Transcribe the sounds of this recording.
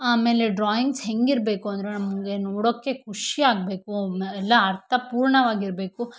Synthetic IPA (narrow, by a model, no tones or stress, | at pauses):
aːme̞ːle̞ɖɾaːjiŋɡsɦe̞ŋɡiɾbe̞ːkuɐnd̪ɾe̞nɐmɐŋɡenoːɽoːkːe̞kʰuʂiaːɡ̚be̞ːkuɛlːɐːɾt̪ʰɐpuːɾɳɐʋaːɡiɾbeːku